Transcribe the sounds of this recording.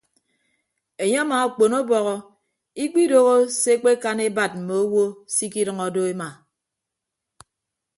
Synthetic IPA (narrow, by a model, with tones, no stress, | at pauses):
e˨ɲe˦a˦maː˨k͡po˨no˦bɔ˨ɣɔ˦ | i˦k͡pi˦do˦ɣo˦se˦k͡pe˦ka˦ne˦ba˨t̚m̩˨me˨o˦wo˦si˦ki˦ɾʌ˨ŋɔ˨do˦e˦ma˨